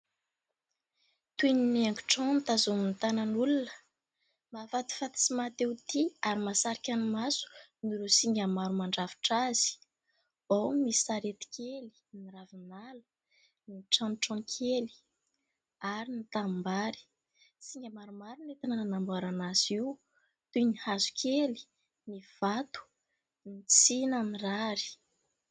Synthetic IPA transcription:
t̪uininaŋɡu̥ʈ͡ʂɔ̃nit̪azumint̪anənulunə̥ | mafat̪i̥fat̪i̥simat̪ewt̪iaɾimasaɾikʲanimasu̥niɾosiŋɡʲamaɾumaɳɖ͡ʐavi̥ʈ͡ʂaz̥i̥ | awmisaɾet̪i̥kʰʲeli̥niɾavinalə̥ | niʈ͡ʂãnʈ͡ʂɔ̃nkʲʰeli̥ | aɾinit̪ambaɾi̥ | siŋɡʲamaɾumaɾunet̪anananambaɾanaziw | t̪unihazu̥kʲʰeli̥ | niv̥at̪u̥ | nit͡sinəniraɾi̥

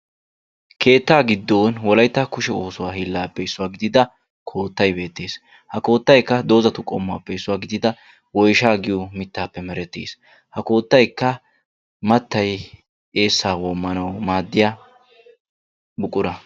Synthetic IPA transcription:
kʰe̞ːt̪ːaːɡɪd̪ːoːnwɔlɐjt̪ːɐkʊʃɛo̞ːsʊwaːhɪlːaːpːɛɪsːʊwaːɡɪd̪ɪd̪ɐ | kʰo̞ːt̪ːɐjbe̞ːt̪ːe̞ːs | hɐko̞ːt̪ːɐjkːɐd̪o̞ːzɐt̪ʊkʼɔmːʊa̰ːpːɛɪsːʊwaːɡɪd̪ɪd̪ɐ | wɔjʃaːɡɪjʊmɪt̪ːaːpːɛmɛɾɛt̪ːḛːs | hɐko̞ːt̪ːɐjkːɐ | mɐt̪ːɐj | e̞ːsːaːwɔmːɐnɐwmaːd̪ːɪja | bʊkʼʊɾɐ

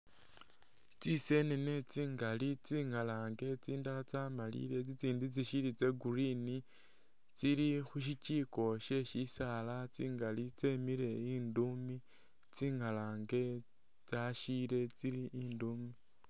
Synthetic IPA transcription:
t͡sise̞nenet͡siːŋɡalit͡siːŋalaːŋɡe̞t͡siːndalat͡saːmalḭɾe̞t͡sit͡siːndit͡siʃiɾit͡se̞ɡuɾini | t͡siɾixuʃiciːko̞ʃe̞ʃisaːlat͡siːŋɡalit͡se̞miɾe̞iːndumi | t͡siːŋalaːŋɡe̞ | t͡saʃile̞t͡siɾiiːnduːmi

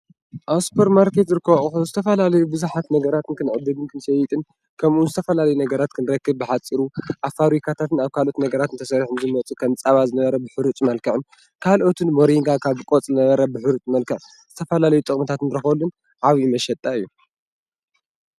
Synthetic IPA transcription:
ʔaspʰoɾmaɾket̪zɨɾɨkːɐβʔʼɨxuzɨt̪ʰɐfɐlalɐjubɨzuħat̪nɐɡɐɾat̪ɨnkʰɨnʕɨd̪ːɨd̪ɨnkʰɨnsɐjɪt̪ʼɨn | kʰɐmunzɨt̪ʰɐfɐlalɐjunɐɡɐɾat̪kʰɨnɾɐkːɨβbɨħat͡sʼiɾuʔafaβɾikʰat̪ʰat̪ɨnaβkʰalʔo̞t̪nɐɡɐɾat̪ɨnt̪ʰɐsɐɾħunzɨmɐt͡sʼukʰɐmt͡sʼaβazɨnɐβɐɾɐbɨħɨɾut̪ʼmɐlkʰɐʕɨn | kʰalʔo̞t̪ʰɨnmoɾiŋɡakʰaβkʼot͡sʼzɨnɐβɐɾɐbɨħɨɾut̪ʼmɐlkʰɐʕ | z̥ɨt̪ʰɐfɐlalɐjut̪ʼɨkʼmɨt̪ʰat̪ɨnɾɨxɐlːun | ʕaβimɐʃɐt̪ʼːaɨjːu

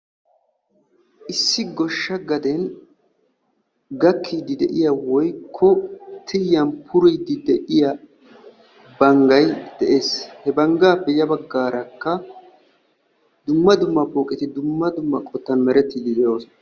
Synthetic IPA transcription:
ʔɪsːɪɡɔʃːɐɡɐd̪ɛn | ɡɐkʰːiːd̪ɪd̪ɛʔɪjɐwɔjkʰːɔt̪ʰɪjːɐnpʰʊɾijd̪ɪd̪ɛʔɪjɐ | bɐŋɡɐjd̪̥ɛʔe̞ːshɛbɐŋɡaːpːɛjɐbɐɡːaːɾɐkːɐ | d̪ʊmːɐd̪ʊmːɐboːkʼɪt̪ɪd̪ʊmːɐd̪ʊmːɐkʼɔt̪ːɐnmɛɾɛt̪ːiːd̪ɪd̪ɛjo̞ːs

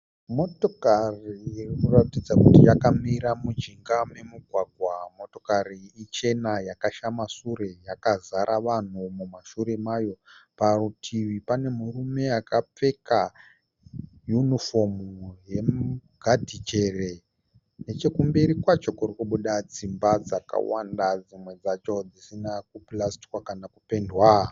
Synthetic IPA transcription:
mo̞to̞kariːrinoratid͡zakutijakamiɾamud͡ʒiŋɡame̞muɡʱwaɡʱwamo̞to̞kariːt͡ʃe̞najakaʃamasuɾe̞jakazaɾʔaʋan̤umumaʃuɾe̞majo̞parutʰiʋipane̞murume̞akap͡fe̞ka | junifo̞muje̞ɡʱadʱit͡ʃe̞re̞ | net͡ʃe̞kumbiɾikwat͡ʃo̞kurikuɓuɗad͡zimbad͡zaka̰wa̰ndad͡zimwe̞d͡zat͡ʃo̞d͡zisinakuplasti̥kwakanakupe̞ndwa

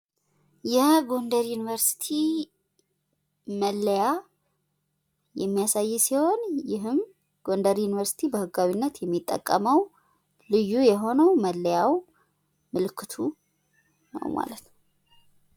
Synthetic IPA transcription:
jɛɡo̞nd̪əɾjunivəɾsi̥t̪ʰi | məlːəja | jɛmːijasajːsiho̞njɪɦɨm | ɡ̥o̞nd̪əɾjunivəɾsi̥t̪ʰibəhɨɡːawinːət̪jɛmːit̪ʼːə̰kʼːəməw | lɨjːujɛɦo̞nəwməlːəjaw | mɨlɨkʰːɨt̪ʰu | nə̰wma̰lət̪nəw

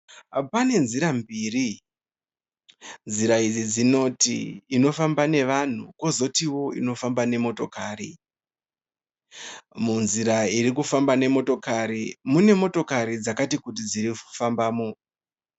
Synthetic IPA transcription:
pane̞nziɾambiːri | nziɾaid͡zid͡zino̞tḭːno̞fambane̞ʋan̤uko̞zo̞tiwo̞ino̞fambane̞mo̞to̞kaːɾi | munziɾaiɾikufambane̞mo̞to̞kaɾimune̞mo̞to̞kaɾid͡zakatikut̬id͡ziɾifu̥fambaːmo̞

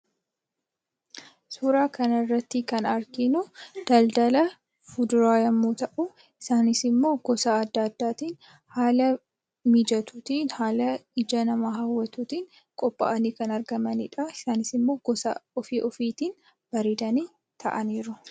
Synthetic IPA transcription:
suːɾaːkɐnɐrːɐt̪ːɪkɐnɐɾkɪnʊd̪̥ɐld̪ɐlɐ | fʊd̪ʊɾaːjɐmːuːt̪ɐʔʊ | ɪsaːnɪsɪmːo̞ːɡ̥ɔsaːɐd̪ːɐd̪ːaːt̪iːn | haːlɐ | mid͡ʒɐt̪uːt̪iːnhaːlɐɪd͡ʒɐnɐmaːɦɐwːɐt̪uːt̪iːŋ | kʼɔpʼːɐ̰ʔɐniːkɐnɐɾɡɐmɐnɪᶑɐɪsaːnɪsɪmːo̞ːɡɔsɐɔfiːʔɔfiːt̪iːn | b̥ɐɾiːd̪ɐniː | t̪ʰɐ̰ʔɐniːɾʊ

